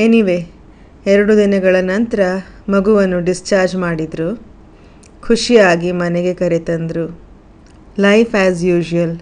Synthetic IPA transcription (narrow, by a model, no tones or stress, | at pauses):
eniʋeː | ɛɾɐɽud̪inɐɡɐɭɐnɐnt̪ɐɾɐmɐɡuʋɐnːuɖist͡ʃaːɾd͡ʒmaːɽid̪ɾu | kʰuʂijaːɡimɐneɡe̞kɐɾet̪ɐnd̪ɾu | lɐjpʰæːzjuːd͡ʒuɐl